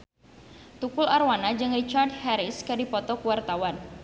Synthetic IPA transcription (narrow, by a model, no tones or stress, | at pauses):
t̪ukʊlarwanad͡ʒɨŋrit͡ʃardhɛɾiskɨdipɔt̪ɔkuwart̪awan